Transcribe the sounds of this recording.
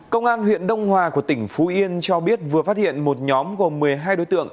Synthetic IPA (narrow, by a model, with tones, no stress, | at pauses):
kə˧wŋ͡mʔaː˧nɦwḭ˧˨ənɗə˧wŋ͡mhwaː˨˩ku˧˩ət̪ï˧˩ŋ̟fu˨˦ʔi˧ənt͡ɕɔ˧ɓi˦˥ət̚vɨ˨˩əfaː˦˥t̚hḭ˧˨ənmo˨˩t̚ɲɔ˨˦mɣo˨˩mːɨ˨˩əjɦaː˧jɗo˨˦jt̪ɨ̰˧˨əŋ